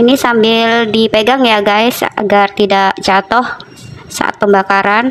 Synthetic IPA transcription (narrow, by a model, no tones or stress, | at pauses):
inisambɪldipeɡaŋjaɡaɪsa̰ɡart̪idaʔd͡ʒat̪ɔh | sa̰ʔa̰t̪̚pəmbakaɾan